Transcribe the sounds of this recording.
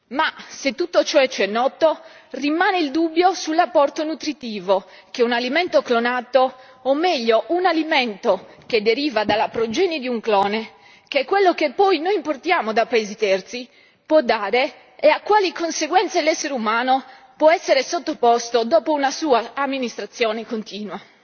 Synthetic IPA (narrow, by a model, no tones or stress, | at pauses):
maset̪ːut̪ːot͡ʃɔɛt͡ʃːɛnːɔːt̪orimaːneild̪ubːjosulːapːɔrt̪onut̪ɾit̪iːvok̟eunalimɛnt̪oklonat̪oː | mːɛʎːoʔunalimeɛnt̪oked̪eɾiːvad̪alːapɾod͡ʒɛnid̪iuŋklɔːne | k̟eɛkːwelːok̟epːɔjnojimport̪jaːmod̪apaeːzit̪ɛrt̪si | pwɔd̪ːaːɾe | eakːwaːlikonseɡwɛnt̪selɛsːeɾeumaːno | pwɔɛsːeɾesot̪ːopɔst̪od̪ɔːpounasuːaːmːinist̪ɾat̪sːjɔːnekont̪iːnwa